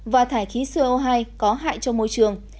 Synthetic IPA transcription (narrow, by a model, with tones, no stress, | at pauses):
vaː˨˩t̪ʰaː˧˩jxi˨˦swʔo˧ɦaː˧jkɔ˨˦ɦa̰ː˧˨jt͡ɕɔ˧mo˧jt͡ɕɨ˨˩əŋ